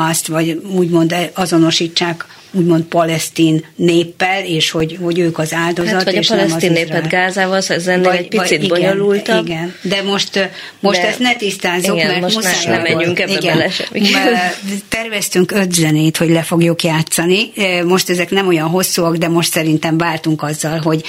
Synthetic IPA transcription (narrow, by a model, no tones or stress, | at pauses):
ɒst̪ʋɒɟuːɟmo̞nd̪ɛɒzo̞no̞ʃiːt͡ʃːaːk | uːɟmo̞nt̪̚pɒlɛst̪iːnːeːpːɛleːʃho̞ɟho̞ɟøːkɒzaːld̪o̞ɒt̪eːʃnlɛmsɒzineːrpɛd̪ɡaːzaːvɒlsɛzɛnpiɒid̪iboɲoluliɡɛnd̪ɛmo̞ʃt̪ | mo̞ʃt̪ɛst̪nɛt̪ist̪aːzoɡkmɛrt̪usaːjnɛmɛyŋkɛiɡɛnlɛʃ | t̪ɛrvɛst̪yŋkø̞t̪zɛneːt̪ho̞ɟlɛfo̞ɡjukjaːt̪sɒnimo̞ʃt̪ɛzɛknɛmo̞jɒnɦo̞sːuɒɡd̪ɛmo̞ʃt̪sɛɾint̪ɛɱvaːrt̪uŋkɒzːɒlɦo̞ɟ